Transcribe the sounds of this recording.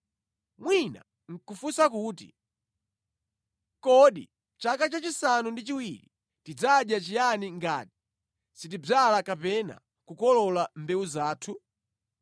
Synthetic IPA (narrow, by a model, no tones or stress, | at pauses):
mwina̰ | ŋ̩kufusakuːtḭ | kɔɗḭ | t͡ʃakat͡ʃat͡ʃisanundit͡ʃiwili | tid͡zaɗjat͡ʃijaniŋɡa̰ːti̥ | sitibalakapɛna̰ | kukɔlɔlambɛuzaːtʰu